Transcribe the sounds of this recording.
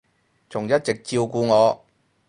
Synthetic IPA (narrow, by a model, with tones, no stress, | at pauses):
t͡sʊ˨˩ŋjɐ˥t̚t͡sɪ˨k̚t͡siː˧wkuː˧ŋɔː˨˧